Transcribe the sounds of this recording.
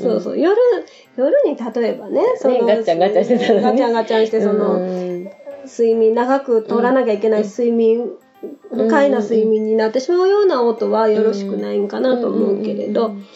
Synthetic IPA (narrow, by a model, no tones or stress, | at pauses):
so̞̰ːso̰ːjo̞ɾɯ̟ | jo̞ɾɯ̟ɲ̟it̪at̪o̞e̞bane̞sonoãŋɡaãɕiet̪ɡat͡ɕãŋɡat͡ɕãɕi̥t̪eso̞no̞ | sɨimʲĩnːaɡakɯ̟t̪o̞ɾanakʲaike̞naisɨimʲĩŋ | ɯkainasɨimʲĩɲ̟ːinat̪ːe̞ɕimaɯ̟jo̞ːnaot̪o̞βajo̞ɾo̞ɕi̥kɯ̟naiŋokanat̪o̞ːmo̞ɯ̟ke̞ɾe̞̰d̪o̞